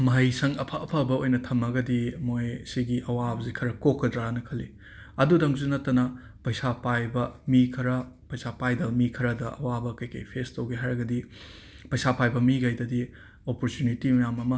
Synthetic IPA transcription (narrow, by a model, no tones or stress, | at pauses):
mɐɦɐjsɐŋɐpʰɐɐpʰɐbɐojnɐtʰɐmɐɡɐdimojsiɡiʔɐwabɐzikʰɐɾɐkokːɐdɾanɐkʰɐli | ɐdudɐŋzunɐtːɐnɐ | pɐjsapajbɐmikʰɐɾɐpɐjsapajdɐmikʰɐɾɐdɐʔɐ̰wabɐkɐjkɐ̰jpʰestɐwɡeɦaɾɐɡɐdi | pɐjsapajbɐmiɡɐjdɐdi | opoɾtunitimɐjamɐmɐ